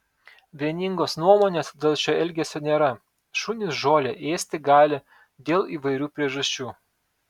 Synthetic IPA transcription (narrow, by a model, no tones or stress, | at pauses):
ʋʲiɛnʲɪŋɡoːsnuɔmoːnʲeːsd̪ʲeːlʲˠt͡ʃʲoɛlʲɡʲɛsʲoːnʲeːɾɐ | ʃuːnʲɪsʒoːlʲeʔeːsʲt̪ʲɪɡɑːlʲɪ | d̪ʲeːlˠiːʋɐɪɾʲuːpʲɾʲiɛʒɐsʲt͡ʃʲuː